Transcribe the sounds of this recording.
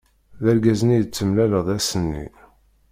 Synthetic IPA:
ðæɾɡæznijət͡sːəmlæləðˤæsənːḭ

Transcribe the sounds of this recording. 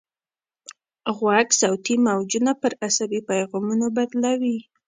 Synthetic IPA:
ɣwaksawt̪imawd͡ʒunapəɾasabipajɣɑmunobad̪lawi

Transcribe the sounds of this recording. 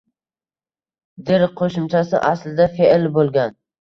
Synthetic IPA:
d̪ɪɾqʰoʃɪmt͡ʃʰasɪ̰ʔaslɪd̪afeʔlbolˠɡʲan

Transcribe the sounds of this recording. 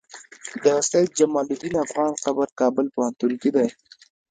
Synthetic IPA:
d̪əsat̪̚d͡ʒamɑlud̪inafɣɑnxabəɾkɑbəlpəhant̪uŋkid̪aj

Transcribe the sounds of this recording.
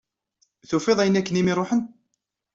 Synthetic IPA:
θufeðˤæjənːækːənimiɾˤoħən

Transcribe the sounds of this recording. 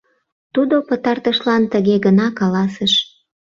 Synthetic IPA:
t̪ud̪opət̪ɑrt̪əʃlɑnt̪əɣeɣənɑkɑlɑsəʃ

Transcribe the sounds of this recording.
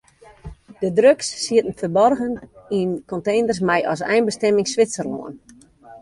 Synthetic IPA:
d̥ədrøksːiətən̩fəbɔrɣəninkɔntejnərs̬mɛjɔ̰sɛ̰jnbəstɛmɪŋsʋɪsərlo̰ən

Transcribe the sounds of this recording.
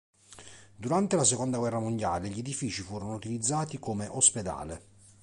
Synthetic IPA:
d̪uɾant̪elasekond̪aɡwɛrːamond̪jaːleʎed̪ifiːt͡ʃifuːɾonout̪ilid̪zːaːt̪ikomeʔosped̪a̰ːle

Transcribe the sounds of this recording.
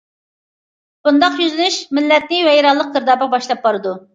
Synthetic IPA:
b̥und̪ɑqjyzɪnyʃmɪlːɛt̪̚nɪwɛjɾɑlˠːəq̚d̪əɾd̪ɑːbʁɑbɑʃlˠɑp̚bɑɾɨd̪u

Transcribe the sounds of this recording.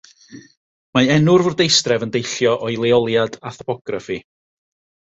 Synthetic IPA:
maɛnʊrvʊrdejstrɛvəndejɬjɔʔɔjlˠeɔlˠjadaθɔ̥pʰɔɡ̥rafi

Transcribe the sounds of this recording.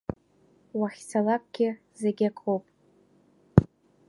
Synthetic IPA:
waχʲsalak̚ʷʼɡ̥ʲɪ | zeɡʲakʷʰʼowpʼ

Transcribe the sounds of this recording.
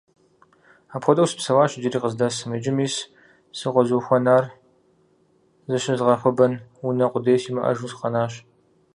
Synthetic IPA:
aːpxʷɔdɐwsɨ̥psɐwaːɕd͡ʒɪɾiːqəzdaːsɨmɨd͡ʒɪmiːs | sɨʁʷɔzuːxʷɔnaːr | zɨɕɐzʁɐfʷʊbɐnunɐqʷʊdeːjsiːmɐʔɐ̰ʒuːsqɐnaːɕ

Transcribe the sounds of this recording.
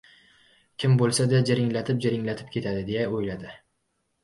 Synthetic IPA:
kʲʰɪmbolˠsad̪ad͡ʒaɾɪŋlat̪ʰɪp̚d͡ʒaɾɪŋlat̪ʰɪ̥p̚kʲʰe̞t̪ʰad̪ɪd̪e̞jaojlad̪ɪ

